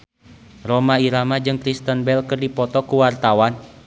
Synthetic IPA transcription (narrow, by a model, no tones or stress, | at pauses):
rɔmaiɾamad͡ʒɨŋkɾist̪ənbɛlkɨrdipɔt̪ɔkuwart̪awan